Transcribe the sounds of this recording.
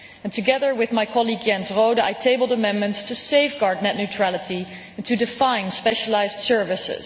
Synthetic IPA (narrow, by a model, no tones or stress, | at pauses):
ɛ̃ntʰɨɡɛðə˞wɪðmajkʰɑlˠiɡjɛ̃nzroʊdəa̰jtʰeɪbəl̩ˠdəmɛ̃nmə̃ntstʰuseɪfɡɑɹdⁿnɛtnutʰɹ̥ælətʰi | ɛ̃ntʰudɪfãɪ̃nspɛʃəlaɪzdsɜɹvɪsɪ̰z̥